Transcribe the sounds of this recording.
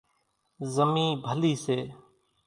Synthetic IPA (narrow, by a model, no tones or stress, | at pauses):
zəmĩːbʱəliːseː